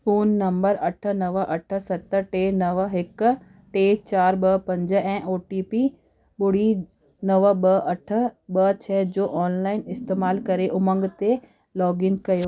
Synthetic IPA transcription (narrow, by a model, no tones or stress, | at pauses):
foːnːɐ̃mbəɾɐʈ̆ʰnɐʋəʔɐʈʰə̆sɐt̪əɾʈeːnɐʋɦɪk | ʈeːt͡ʃaːɾbɐpɐ̃ɲd͡ʒɛ̃ːʔoːʈiːpi | bʊɽ̤i | nɐʋəbɐʔɐʈʰə̆bɐt͡ɕʰɛːd͡ʑoːʔɔːnlaːɪnɪst̪eːmaːlkɐɾeʔʊmə̃ŋɡt̪e | lɔːɡɪŋkɐjoː